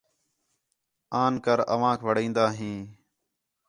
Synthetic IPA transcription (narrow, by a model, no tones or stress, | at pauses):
aːnkəɾə̰ʋãːkʰʋəɽĩːnd̪aːɦĩː